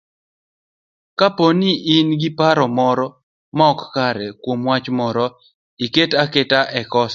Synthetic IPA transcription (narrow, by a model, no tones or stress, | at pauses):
kaponiʔɪnɡɪpaɾɔmɔɾɔ | maɔkkaɾɛkwomwat͡ʃmɔɾɔ | iketaketaʔɛkɔs